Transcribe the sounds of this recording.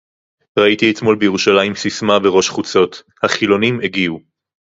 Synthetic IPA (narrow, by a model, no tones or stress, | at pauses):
ʁait̪iet̪mo̞lbeje̞ʁuʃalajimsismaveʁo̞ʃχut͡so̞t̪ | haχilo̞nimeɡiu